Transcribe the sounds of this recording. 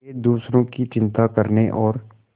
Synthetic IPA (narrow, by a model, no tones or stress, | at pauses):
ed̪uːsɾõkit͡ʃɪ̃nt̪akəɾneʔɔːɾ